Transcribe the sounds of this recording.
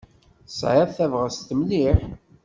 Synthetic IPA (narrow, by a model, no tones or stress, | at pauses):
sʕaðθævʁəst̪əmliħ